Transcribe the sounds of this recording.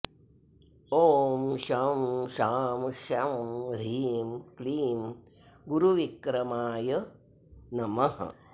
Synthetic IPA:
oːmʃɐmʃaːmʃɐmɾiːmkliːm | ɡuɾuʋikɾɐmaːjɐ | nɐmɐɦɐ̰

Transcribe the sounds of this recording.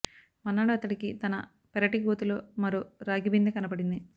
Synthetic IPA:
mɐnːaːɽuɐt̪ːɐʈikit̪ɐnɐ | pɛɾɐʈiɡuːt̪uloːmɐɾuɾaːɡibind̪ikɐnɐbɐɽind̪i

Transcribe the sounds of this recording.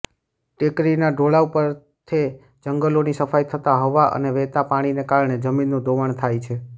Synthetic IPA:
ʈekɾinaɖoɭaupəɾ | t̪ʰe | d͡ʒəŋɡəlonisəfajt̪ʰət̪aɦəʋaʔə̰neʋɛɦt̪apaɽ̃inekaɾɳ̃ed͡ʒəminːũd̪ʱoʋəɳt̪ʰajt͡ʃʰe

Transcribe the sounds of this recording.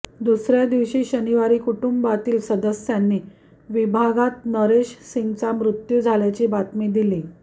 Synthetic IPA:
d̪usɾjad̪iʋɕiːɕəniʋaɾiːkuʈumbat̪iːlsəd̪əsjanːiː | ʋibʱaɡat̪̚nəɾeɕsiŋɡt͡samɾut̪juːd͡zʱaljat͡ɕiːbat̪miːd̪iliː

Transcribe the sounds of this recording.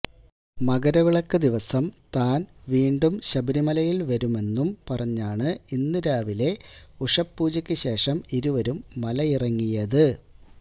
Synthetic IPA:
mɐɡɐɾɐʋiɭɐkːɨd̪iʋɐsɐmt̪aːnʋiːɳɖumɕɐbɐɾimɐlɐjilʋɐɾume̞nːumpɐrɐɲːaːɳɨinːiɾaːʋile̞uʂɐpːuːd͡ʑɐkʲːɨɕe̞ːʂɐmiɾuʋɐɾumːɐlɐirɐŋːijɐðɨ

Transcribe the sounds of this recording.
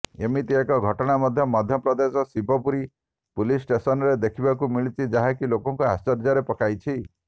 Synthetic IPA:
emit̪iekɔɡʱɔʈɔɽ̃amɔd̪ʱjɔmɔd̪ʱjɔpɾɔd̪esɔsibʱɔpuɾi | pulisʈesɔnɔɾed̪ekʰibakumiɭit͡ʃid͡ʒaɦakilokɔŋkuɦa̰st͡ʃɔɾd͡ʒaɾepɔkʰajt͡ʃʰi

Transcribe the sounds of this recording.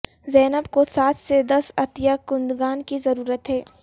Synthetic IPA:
zɛːnəbkosaːt̪ʰsed̪ɐsɐt̪ijakʊ̃nd̪ɡaːnkizɐɾuːɾət̪ɦɛː

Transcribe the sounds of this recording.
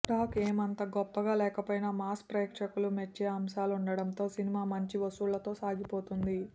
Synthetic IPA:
ʈaːkeːmɐnt̪ɐɡɔpːɐɡaːlɛːkɐpoːjnaːmaːs̚pɾeːkʂɐkulumet͡ʃːeːɐmʃaːluɳɖɐɽɐnt̪o̞ːsinimaːmɐɲt͡ʃiʋɐsuːɭlːɐt̪o̞ːsaːɡipo̞ːt̪und̪i

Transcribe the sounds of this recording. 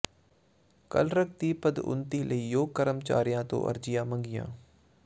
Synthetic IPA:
kə̰lɾək̚t̪iːpəd̪ʊ̰nt̪iːlʔəiːjoːɡ̚kəɾəmt͡ʃa̰ːɾijãːt̪õ̰ːʔə̰ɾd͡ʒɪjãːmə̃ŋɡɪjã̰ː

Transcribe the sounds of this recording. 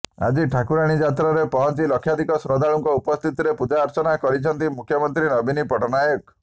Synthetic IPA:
a̰d͡ʒiʈʰakuɾaɽ̃id͡ʒat̪ɾaɾepɔɦɔnt͡ʃilɔkʰːjad̪ʱikɔsɾɔd̪aɭuŋkɔupɔst̪ʰit̪iɾepud͡ʒaːɾt͡ʃɔnakɔɾit͡ʃʰɔnt̪imukʰjɔmɔnt̪ɾinɔbinipɔʈɔnajɔk̚

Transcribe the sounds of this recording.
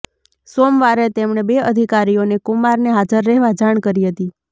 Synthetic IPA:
somʋaɾet̪emɳ̃ebeəd̪ʱikaɾijonekumaɾneɦad͡ʒəɾːɛɦʋad͡ʒaɳ̃kəɾiɦət̪i

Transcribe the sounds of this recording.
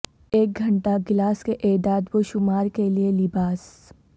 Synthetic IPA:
eːk̚ɡʱɐ̃ɳʈaɡɪlaːskeʔeːd̪aːd̪ʋoʃʊmaːɾkelielɪbaːs

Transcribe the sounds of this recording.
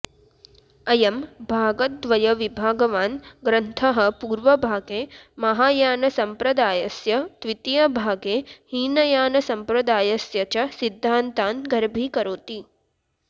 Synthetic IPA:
ɐjɐmbʱaːɡɐt̪̚d̪ʋɐjɐʋibʱaːɡɐʋaːnɡɾɐnt̪ʰɐɦɐ̆puːɾʋɐbʱaːɡeːmɐɦaːjaːnɐsɐmpɾɐd̪aːjɐsjɐt̪ʋit̪ijɐbʱaːɡeːhiːnɐjaːnɐsɐmpɾɐd̪aːjɐsjɐt͡ʃɐsid̪ʱːaːnt̪aːnɡɐɾbʱiːkɐɾoːt̪i

